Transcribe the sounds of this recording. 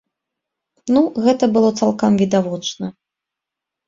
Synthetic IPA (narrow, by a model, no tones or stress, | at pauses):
nuɣɛt̪ɐbɨlˠɔt̪salˠkamvʲid̪avɔt͡ʂnɐ